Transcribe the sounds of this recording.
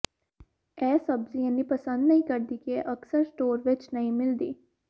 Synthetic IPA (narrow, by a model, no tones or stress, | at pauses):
ɛːsəbzĩːənːĩːpəsə̃nd̪nəĩːkəɾd̪iːkiɛʔəksəɾsʈoːɾʋɪt͡ʃnəɦĩːmɪld̪iː